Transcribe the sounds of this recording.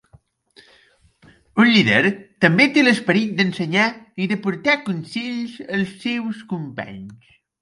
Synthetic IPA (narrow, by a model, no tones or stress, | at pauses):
unʎiðə̰ɾt̪əmbet̪eləspəɾit̪̚d̪ənsəɲaiðəpuɾt̪akunsiʎzəlˠsːewskumpa̰ɲs